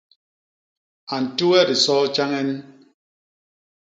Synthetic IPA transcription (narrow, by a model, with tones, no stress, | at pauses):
a˨n̩˨tu˦ɛ˦di˨sɔ˦t͡ʃa˦ŋɛ˦n˦